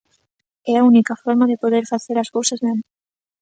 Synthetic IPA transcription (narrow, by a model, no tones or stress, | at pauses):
ɛaunikafɔɾmaðepoðeɾfaθeɾaskowsaznen